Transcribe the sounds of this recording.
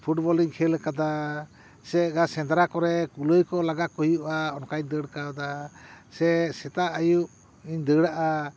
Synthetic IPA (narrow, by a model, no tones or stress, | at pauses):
pʰuʈbɔliŋkʰɛlɛkad̪a | sɛɡasɛ̃nd̪ɾakɔɾɛkuləjkɔlaɡakuɦijuʔaɔnkaɲd̪əɽkad̪asɛsɛt̪aʔajuʔ | iɲd̪əɽaʔa